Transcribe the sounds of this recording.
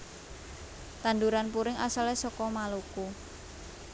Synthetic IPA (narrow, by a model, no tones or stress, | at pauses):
t̪and̪uɾanpuɾɪŋʔa̰salɛsɔkɔmaluku